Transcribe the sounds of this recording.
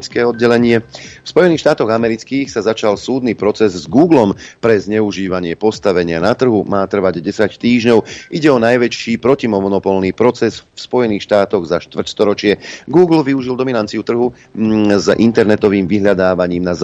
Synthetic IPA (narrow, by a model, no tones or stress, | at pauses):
t͡skɛːɔd̪̚ɟɛlɛɲɪɛfspɔjɛniːxʃt̪aːt̪ɔɣamɛɾit͡skiːxsazat͡ʃalsuːd̪nipɾɔt͡sɛzzɡuːɡlɔmpɾɛzɲɛuʒiːʋaɲɪɛpɔst̪aʋɛɲɪanat̪r̩ɦumaːt̪r̩ʋaɟɟɛsact̪iːʒɲɔʊʔiɟɛɔnajʋɛʃiːpɾɔcimɔmɔnɔpɔlniːpɾɔt͡sɛsfspɔjɛniːxʃt̪aːt̪ɔɣzaʃt̪ʋr̩cst̪ɔɾɔt͡ʃɪɛɡuːɡl̩ʋiuʒild̪ɔminant͡siut̪r̩ɦu | zʔḭnt̪ɛɾnɛt̪ɔʋiːmʋiɦʎad̪aːʋaɲiːmnaz